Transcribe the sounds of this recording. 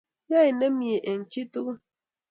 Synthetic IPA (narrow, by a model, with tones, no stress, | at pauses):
ja˦i˨ne˦mje˨ʔe˨n̩˨t͡ʃi˦tu˦ɣ